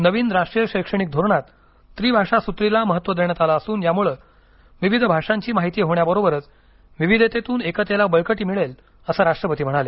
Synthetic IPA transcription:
nəʋiːnɾaʂʈɾijəɕəjkʂəɽ̃ik̚d̪ʱoɾɳat̪ː | ɾiːbʱaʂasut̪ɾilaməɦət̪ːʋəd̪eɳ̃ət̪alaəsuːnjamuɭe | ʋiʋid̪ʱbʱaʂaɲt͡ɕiːmaɦit̪iːɦoɳjabəɾobəɾət͡s | ʋiʋid̪ʱet̪et̪uːnekət̪jelabəɭkəʈiːmiɭel | əsəɾaʂʈɾəpət̪iːm̤əɽ̃ale

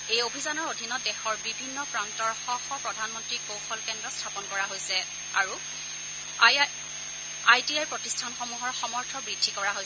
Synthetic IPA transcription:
ejobʱizanɔɹodʱinɔdɛxɔɹbibʱinːɔpɹantɔɹxɔxɔpɹɔdʱanmɔntɹikowxɔlkɛndɹɔstʰapɔnkɔɹaɦojsɛ | aɹu | ajtiajpɹotistʰanxɔmuɦɔɹxɔmɔɹtʰɔbɹidʱːikɔɹaɦo

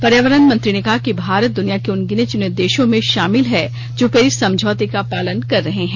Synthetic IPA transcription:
pɐɾjaːʋəɾənmɐ̃nt̪ɾinekɐɦakibʱaːɾət̪̚d̪ʊnijakeʊnɡɪnet͡ʃʊned̪eːʃõmẽʃaːmɪlɦɛ | d͡ʒoːpeːɾisɐ̃md͡ʒʱɔːt̪ikapaːlənkɐɾːɐɦeɦɛ̃ː

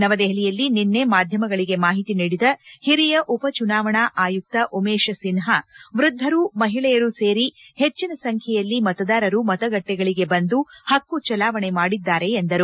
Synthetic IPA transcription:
nɐʋɐd̪eɦlijɐlːininːe̞maːd̪ʱjɐmɐɡɐɭiɡe̞maːɦit̪iniːɽid̪ɐhiɾijɐʔupɐt͡ʃunaːʋɐɳaʔaːjuk̚t̪ɐʔumeːʃɐsinɦɐʋɾud̪ʱːɐɾumɐɦiɭɛjɐɾuse̞ːɾihet͡ʃːinɐsɐŋkʰjɛjɐlːimɐt̪ɐd̪aːɾɐɾumɐt̪ɐɡɐʈːɛɡɐɭiɡe̞bɐnd̪uhɐkːut͡ʃɐlaːʋɐɳemaːɽid̪ːaːɾe̞ːnd̪ɐɾu

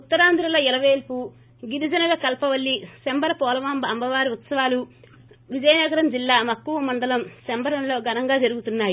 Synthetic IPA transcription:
ut̪ːɐɾaːnd̪ɾɐlɐɛlɐʋeːlpu | ɡiɾid͡ʒɐnɐɡaːkɐlpɐʋɐlːisembɐɾɐpɔːlɐʋambɐɐmbɐʋaːɾiut̪sɐʋaːlu | ʋid͡ʒɐjɐnɛːɡɐɾɐmd͡ʒilːaːmɐkːuʋɐmɐɳɖɐlɐmsembɐɾɐnlo̞ːɡɐnɐŋɡaːd͡ʒɐɾuɡut̪unːaːji

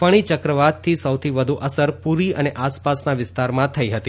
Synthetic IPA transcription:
pəɽ̃it͡ʃəkɾəʋat̪ʰːisəwt̪ʰiʋəd̪ʱuʔəsəɾpuɾiəneʔaspasnaʋɪst̪aɾmãt̪ʰəiɦət̪i

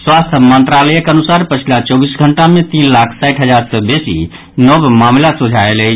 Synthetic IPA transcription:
swast̪ʰmənt̪ɾalɛjekənusaɾpət͡ʃʰilat͡ʃɔbisɡʱəɳʈamẽt̪inlakʰsajʈɦəd͡ʒaɾsəbesḭ | nəbmamlasud͡ʒʱaelɛ

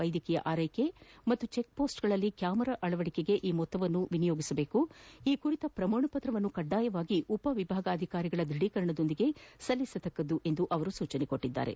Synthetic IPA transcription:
ɐjd̪ʱjɐkijɐ̰ʔaːɾɐjke̞mɐt̪ːut͡ʃe̞k̚po̞ːsʈɡɐɭɐlːikjaːmɐɾɐʔɐɭɐʋɐɽikeɡe̞ʔiːmɔt̪ːɐʋɐnːuʋinijoːɡisɐbe̞ːkuiːkuɾit̪ɐpɾɐmoːɳɐpɐt̪ɾɐʋɐnːukɐɖːaːjɐʋaːɡiʔupɐʋibʱaːɡɐːd̪ʱikaːɾiɡɐɭɐd̪ɾiɽikɐɾɐɳɐd̪o̞nd̪iɡe̞sɐlːisɐt̪ɐkːɐd̪uʔe̞nd̪uʔɐʋɐɾusuːt͡ʃɐneko̞ʈːid̪ːa̰ːɾe̞̰

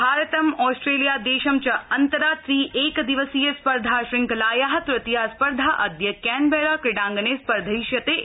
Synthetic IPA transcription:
bʱaːɾɐt̪ɐmɔːsʈɾeːlijaːd̪eːʃɐmt͡ʃɐɐnt̪ɐɾaːt̪ɾiːʔeːkd̪iʋəsijespɐɾd̪ʱaːʃɾɪ̃ŋklaːjaɦɐt̪ɾɐt̪ijaːspɐɾd̪ʱaːʔɐd̪jɐkɛːnbɛːɾaːkɾɪɖãːŋɡɐneːspɐɾd̪ʱɐiʃjɐt̪e

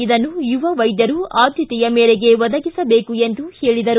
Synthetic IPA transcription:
id̪ɐnːujuʋɐʋɐjd̪jɐɾuaːd̪ʱjɐt̪ɛjɐmeːɾɛɡe̞ʋɔd̪ɐɡisɐbe̞ːkue̞nd̪uhe̞ːɭid̪ɐɾu

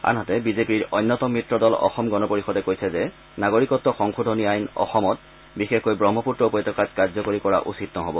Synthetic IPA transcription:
a̰nɦatɛbizepiɹɔjnːɔtɔmɹitɹɔdɔlɔ̰xɔmɡɔnɔpoɹixɔdɛkojsʰɛzɛ | naɡoɹikɔtːɔxɔŋxudʱɔniajnɔ̰xɔmɔt | bixexkojbɹɔmʱːɔputɹɔpɔjtɔkatkaɹzɔkoɹikɔɹa̰ʔṵsitnɔɦɔbɔ

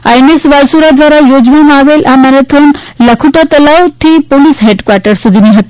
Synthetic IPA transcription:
a̰jmesʋalsuɾad̪ʋaɾajod͡ʑʋimaʋelʔamɛɾət̪ʰonləkʰuʈat̪əlawt̪ʰiːpoliːsɦeʈkʋaɾʈəɾsud̪ʱiniɦət̪

